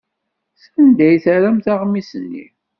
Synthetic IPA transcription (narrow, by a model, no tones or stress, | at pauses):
sænd̪æjθaɾæmθaʁmisənːḭ